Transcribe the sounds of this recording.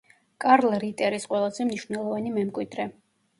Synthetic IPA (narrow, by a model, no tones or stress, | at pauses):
kʼaɾlˠɾit̪ʼɛɾisqʼwɛlˠazɛmniʃvnɛlˠɔvanimɛmkʼwid̪ɾɛ